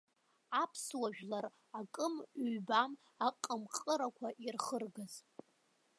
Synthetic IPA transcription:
apʰswaʒᶣlar | akʼɨmɥbam | aqʼəmqʼəɾakʷʰaʔirχərɡaz̥

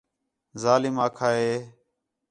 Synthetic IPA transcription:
zaːlɪmaːkʰaːɦeː

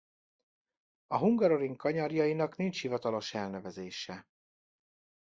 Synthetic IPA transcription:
ɒɦuŋɡɒɾo̞ɾiŋkɒɲɒrjɒjinɒknint͡ʃhivɒt̪ɒlo̞ʃɛlnɛvɛzeːʃɛ

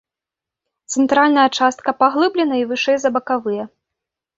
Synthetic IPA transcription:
t̪sɛnt̪ɾalʲnɐjɐt͡ʂast̪̚kɐpaɣlˠɨblʲɛnɐivɨʂɛjzɐbɐkavɨjɐ

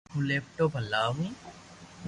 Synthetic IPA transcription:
ɦũleːp̚ʈoːbʱɐlːaːɦũː

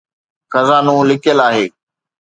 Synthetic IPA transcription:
xəzaːnũːlɪkəlaːɦeː

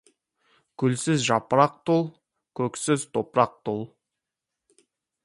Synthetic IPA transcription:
kʲʰʏlsɪzʒɑpəɾɑq̚t̪ʰolˠ | kʲʰɵksɪzt̪ʰo̞pɾɑq̚t̪ʰolˠ

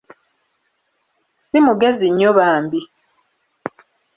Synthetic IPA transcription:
simuɡe̞ziɲːoβaːmbi

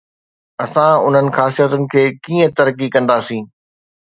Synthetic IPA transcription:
ɐsãʊn̤ənɪ̆xaːsijət̪ʊnɪ̆kʰeːkiːə̃t̪ɐɾəkikɐ̃nd̪asĩː

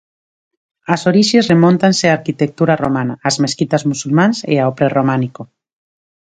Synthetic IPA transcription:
asoɾiʃesremõnt̪anseaɾkit̪ek̚t̪uɾaro̰manaːzmeskit̪azmusulmanseaopɾeromaniko

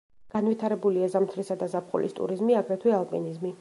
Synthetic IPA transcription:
ɡ̥anwit̪ʰaɾɛbuliazamt̪ʰɾisad̪azapqʼṵlʔḭst̪ʼṵɾizmiaɡɾɛt̪ʰwialˠpʼḭnizmi

